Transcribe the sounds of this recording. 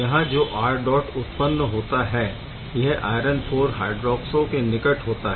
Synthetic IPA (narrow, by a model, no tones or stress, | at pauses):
jɐɦãd͡ʒoːʔaːɾɖɔːʈʊt̪pənːəɦoːt̪aɦɛː | jɐɦaːɪɾənpʰoːɾɦaːɖɾɔːksõkenɪkəʈɦoːt̪aɦ